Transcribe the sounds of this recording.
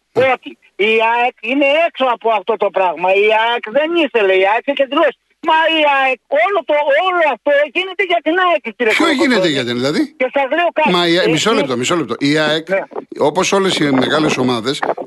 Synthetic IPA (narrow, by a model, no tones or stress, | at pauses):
o̞t̪i | iɐekine̞eksoɐpoɐft̪o̞t̪o̞pɾɐɣmɐiɐekðe̞niθe̞le̞iɐeksecɐt̪̬ilosi̥ | mɐiɐek̚o̞lot̪ooloɐft̪oʝine̞t̪e̞ʝɐt̪inɐeksiciɾeçoʝinet̪eʝɐt̪inðilɐðie̞sɐzleokɐmɐiɐmisolept̪omisolept̪oʔiɐekopo̞so̞le̞sime̞ɣɐle̞so̞mɐðe̞s